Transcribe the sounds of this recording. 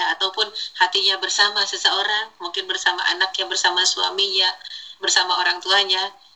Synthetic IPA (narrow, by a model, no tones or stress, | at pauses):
t̪awpʊnhat̪iɲabərsamasəsəoɾaŋmuŋkɪnbərsama̰ʔa̰nak̚ɲaŋbərsamasua̰miɲabərsamaoɾaŋt̪uaɲa